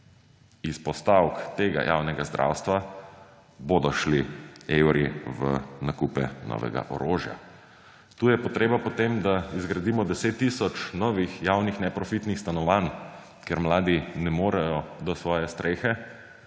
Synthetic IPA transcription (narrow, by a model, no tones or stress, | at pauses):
ispɔst̪awkt̪eːɡa̰jʔa̰ːwnɛɡazd̪ɾʔa̰wst̪ʋa | bod̪ɔʃliewɾiʋə̰nakupɛ̰nɔ̰ʋɛ̰ɡa̰ʔɔ̰ɾoːʒja̰ | t̪uːjɛpɔt̪ɾeːbapɔt̪emd̪aizɡɾad̪iːmɔd̪ɛseːt̪ːiːsɔt͡ʃnɔːʋixjawnixnɛpɾɔfit̪nixst̪anɔʋan | keɾmlaːd̪inɛmoːɾɛjɔd̪ɔsʋɔːjɛst̪ɾeːxɛ